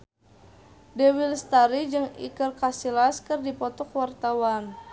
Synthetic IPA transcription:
dɛwilst̪aɾid͡ʒɨŋḭkərkasilaskɨrdipɔt̪ɔkwart̪awan

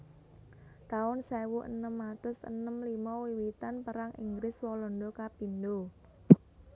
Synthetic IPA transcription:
t̪aʊnsɛwuʔənəmːat̪ʊsə̰nəmlimɔwiwit̪anpəɾaŋʔḭŋɡɾɪswɔlɔnd̪okapind̪o

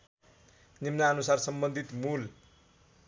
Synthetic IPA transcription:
nimnaʌnusarsʌmbʌnd̪ʱit̪mul

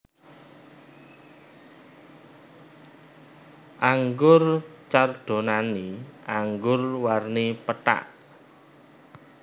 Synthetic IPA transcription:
ʔaŋɡʊrt͡ʃarɖ̪̥o̤naniʔaŋɡʊrwarnipəta̰ʔ

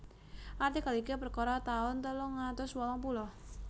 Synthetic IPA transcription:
ʔart̪ikalikɛpərkɔɾat̪aʊnt̪ɔlɔŋːat̪ʊswɔlɔŋpulɔ

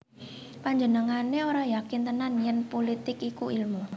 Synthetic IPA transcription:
paɲd͡ʒənəŋaneoɾajakɪnt̪ənanjənpolit̪ɪkikuilmu

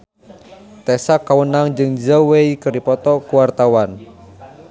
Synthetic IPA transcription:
t̪ɛsakːawənaŋd͡ʒɨŋd͡ʒəweikəɾipɔt̪ɔkuwart̪awan

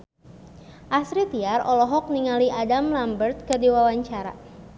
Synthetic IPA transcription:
ʔasɾit̪iarɔlɔɦɔk̚niŋaliʔadamlambərt̪̚kərdiwawaɲt͡ʃaɾa̰

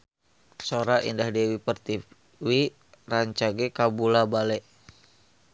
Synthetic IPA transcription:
soɾaʔḭndahdɛwipərt̪i | wi | raɲt͡ʃaɡɛkabulabalɛʔ

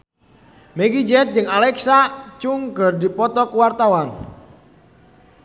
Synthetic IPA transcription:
mɛɡid͡ʒɛt̪̚d͡ʒɨŋalɛksat͡ʃuŋkərdipɔt̪ɔkəwart̪awan

